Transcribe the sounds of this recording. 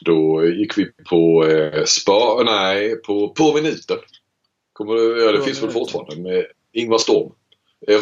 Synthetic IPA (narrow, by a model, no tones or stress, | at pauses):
d̪̥ɔjɪkːvɪpʰɔspɑnæɪpʰɔpʰɔmɪnʉ̟ːt̪əɾ | kʰɔmːəɖɛɑːd̪ɛfɪnsvɛlfʊʈfɑːɾa̰nd̪əmɛ | ɪŋvast̪ɔɾm | ɛɾ